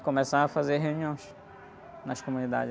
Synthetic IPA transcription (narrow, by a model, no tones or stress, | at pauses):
kõmɛsãɐfazeɾɦeũniõj̃s | nɐʃkomũnid̪a̰d͡ʒɪ